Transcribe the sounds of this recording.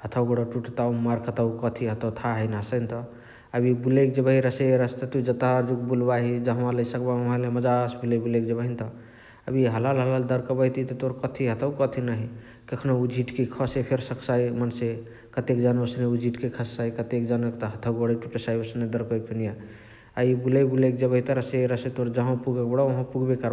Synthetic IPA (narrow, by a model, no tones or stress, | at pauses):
hət̪ʰəwɡoɽəʈuʈt̪awmaɾkʰət̪əkət̪ʰiɦət̪ʰəwt̪ʰaɦəjnasənt̪ə | əbʱibulekd͡ʒebəɦiɾəseeɾəst̪ət̪ud͡ʒət̪aɾd͡ʒukbulbaɦid͡ʒəɦəmãləisəkbamaleməd͡ʒasbulebulekd͡ʒebəɦint̪ə | əbiɦəlalɦəlald̪əɾkəbəjt̪ʰit̪ət̪oɾkət̪ʰiɦət̪ʰəwkət̪ʰinaɦi | kəkʰnoud͡ʒʱiʈkekʰɔsepʰeɾsəkʰsajmənse | kət̪ekd͡ʒanəsneud͡ʒʱiʈkekʰəsːaikət̪ekd͡ʒanəkt̪əɦət̪ʰəbəɽəʈuʈesajbsəned̪əɾkəikʰunija | aibulebulekd͡ʒəbəɦit̪ɔɾəseeɾəset̪oɾd͡ʒəɦãpuɡəkbəɽaɦə̃puɡbekəɾ